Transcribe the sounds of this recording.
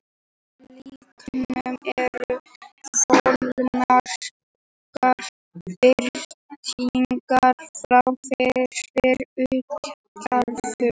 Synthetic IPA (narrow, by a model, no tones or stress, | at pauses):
likʰnʏmɛɾʏfolnnaɾ̥ | kaɾ̥ | fɪɾt̪ʰiŋkaɾ̥fɾawfɪɾfɪɾʏht̪ | aɾfʏ